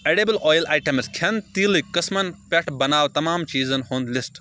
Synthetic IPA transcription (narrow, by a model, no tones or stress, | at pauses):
eːɽeːbɐlʔɔːjlaːjʈɐmskʲʰɐnt̪iːlikɐsmɐnpʲɐʈʰbɐnaːʋt̪ɐmaːmt͡ʃiːzɐnhoːnd̪lɪsʈ